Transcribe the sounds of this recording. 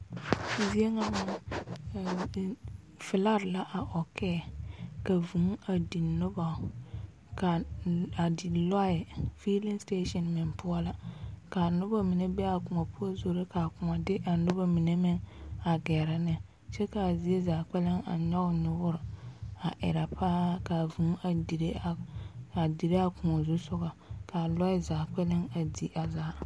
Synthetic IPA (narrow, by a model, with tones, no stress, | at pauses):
zi˦e˦ŋa˦ma˨ | fɪ˨la˦ɾla˦ʔa˨ʔɔ˨kʰɛ˦˨ka˨vu˨ŋa˨di˨nʊ˦ba˨ | ka˨a˨di˨la˦ɪ˨fi˦li˦nste˦ʃɔ˨nmɪ˨npʊ˦ɔ˦la˦ka˨nʊ˦ba˦mi˨ne˦bɛ˦a˨kʊ˨ŋa˨pʊ˦ɔ˦zo˨ɾe˦ka˨kʊ˨a˨dɪ˦ʔa˨nʊ˦ba˦mi˨ne˦mɪ˦ŋa˨ɡɛː˨ɾɪ˦nɪ˨ | t͡ʃɛ˦ka˨zi˨e˦za˨k͡pɛ˦lɪ˦ŋa̰˨ɲɔ˦ɣnʊ˨bʊ˦ɾa˨ʔɪ̰˨ɾa˨pa˦ka˨vũ˨˦a˨di˨ɾe˦˨a˨di˨ɾe˦a˨kʊ˨ŋɔ˨zu˦sʊ˦ɡa˨ka˨lɔ˦ɪ˨za˨k͡pɛ˦lɪ˦ŋa˨di˨ʔa˨zaː˦